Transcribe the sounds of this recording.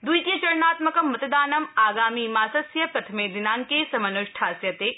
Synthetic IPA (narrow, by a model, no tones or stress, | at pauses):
d̪uit̪ijɐt͡ʃɐɾnaːt̪mɐkɐmːɐt̪d̪aːnɐmaːɡaːmiːmaːsɐsjɐpɾɐt̪ʰɐmeːd̪ɪnaːŋkeːsɐmɐnʊʃʈʰaːsjɐt̪eː